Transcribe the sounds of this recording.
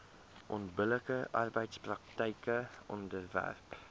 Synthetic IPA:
ʔɔntbələkəʔɑrbəjtsprɐk̚təjkəʔɔndərvæ̰rp

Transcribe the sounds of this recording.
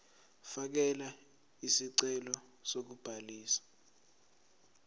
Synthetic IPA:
fak̬ɛla | isiǀɛlɔ | sok̬ub̥ʱaliːsḁ

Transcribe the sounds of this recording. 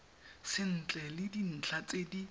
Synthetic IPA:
sɪn̩t͡ɬʼɛlɪdin̩t͡ɬʰat͡sʼedi

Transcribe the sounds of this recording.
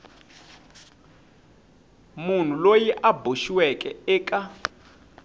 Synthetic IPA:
mun̤ulojiʔabʱuʃiwɛkʼɛɛːkʼa

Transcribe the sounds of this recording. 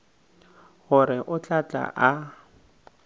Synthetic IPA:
ɣʊɾɪʔʊt͡ɬʼat͡ɬʼa̰ʔa

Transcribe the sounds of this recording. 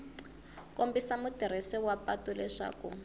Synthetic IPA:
kʼombisamutiɾ̤isɛwapatulɛʂa̰ːkṵ

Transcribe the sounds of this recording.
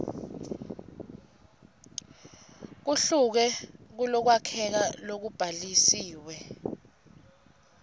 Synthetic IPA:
k̬uɬuk̬ɛk̬ulɔk̬wakʰɛk̬alok̬ub̥ʱalisiːwɛ

